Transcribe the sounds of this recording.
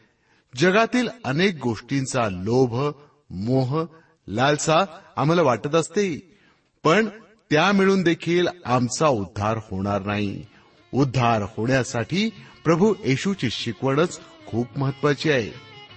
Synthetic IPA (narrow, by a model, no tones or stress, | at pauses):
d͡ʑəɡat̪iːlənek̚ɡoʂʈint͡salobʱ | moɦ | lalsaːm̤alaʋaʈət̪əst̪e | pəɳ | t̪jamiɭuːnd̪ekʰiːlamt͡saud̪ʱːaɾhoɽ̃aɾnaɦi | ud̪ʱːaɾhoɳjasaʈʰiːpɾəbʱujeɕut͡ɕiɕikʋəɽ̃ət͡skʰuːpməɦət̪ːʋat͡ɕiːaɦḛ